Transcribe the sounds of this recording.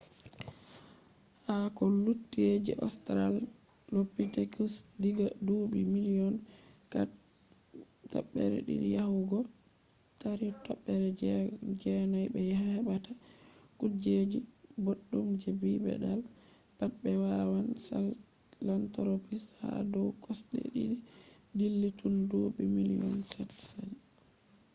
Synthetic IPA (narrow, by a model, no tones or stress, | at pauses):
hakɔlutːied͡ʒḭʔɔ̰stɾal | lopːitekusdiɡadubimiliɔnka | tɔ̰ɓːɛ̰ɾɛ̰ɗḭɗḭjahuɡɔ | taɾitɔɓːɛɾɛd͡ʒɛd͡ʒɛnajbɛjahahɛbatakud͡ʒed͡ʒiboɗːumd͡ʒɛbibɛ̰ɗal | b̥atbɛwawansal | lantɔɾopisha̰dɔwkʰɔsɗɛ̰ɗḭɗi | dilːitʰundubimilijɔnsatsan